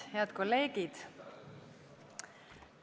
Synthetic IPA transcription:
heɑt̪ko̞lːeːɡ̥id̪̥

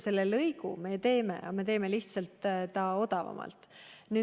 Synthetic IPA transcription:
se̞lːelɤjɡṵme̞t̪e̞ːme̞̰ʔɑme̞t̪e̞ːme̞liht̪sɑlt̪ːt̪ɑo̞d̪ɑvɑ̰mɑ̰lt̪ˑnyː

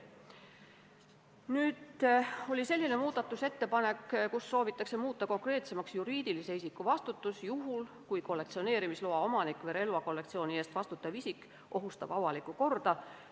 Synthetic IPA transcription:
nyːd̪o̞lʲise̞lʲːine̞muːd̪̥ɑt̪ːˑuse̞t̪ːe̞pɑne̞kːkusːo̞ːvit̪ːˑɑkse̞muːt̪ˑːɑko̞ŋkre̞ːt̪se̞mɑksjuɾiːd̪̥ilise̞isikːˑuvɑst̪ut̪ːˑusjuɦul | kujko̞lːe̞k̚t̪sio̞ne̞ːɾimisloɑo̞mɑnikːˑveɾe̞lvɑko̞lːe̞k̚t̪sio̞ːnie̞ːst̪vɑst̪ut̪ːˑɑvisikːˑ | ʔo̞ɦust̪ɑ̰b̥ɑvɑlikːˑuko̞rd̪̥ɑ

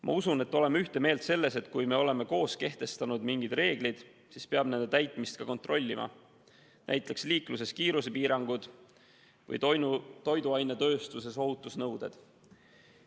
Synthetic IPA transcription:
mʔɑ̰usune̞t̪ːˑo̞le̞myht̪e̞me̞ːlt̪se̞lːe̞se̞t̪ːkujme̞o̞le̞me̞ko̞ːske̞ht̪e̞st̪ɑnud̪miŋɡ̥id̪̥re̞ːɡ̥lid̪̥ | sispe̞ɑb̥ne̞nd̪et̪æjt̪ˑmist̪̚kɑko̞nt̪ro̞lʲːimʔɑ̰ | næ̰jt̪ˑleksliːkluse̞skiːɾuse̞piːɾɑŋɡud̪̥ | vɤ̰j̪t̪o̞jd̪uɑjnet̪ø̞ːst̪use̞so̞ɦut̪ːˑusnɤwd̪̥e̞̰d̪̥

